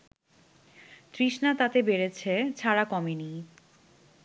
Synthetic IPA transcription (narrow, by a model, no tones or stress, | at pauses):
t̪ɾiʃnat̪at̪ebeɾet͡ɕʰet͡ɕʰaɾakɔmeni